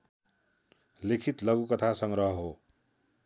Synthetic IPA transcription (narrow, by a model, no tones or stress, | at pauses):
lekʰit̪lʌɡukʌt̪ʰasʌŋɾʌɦɦo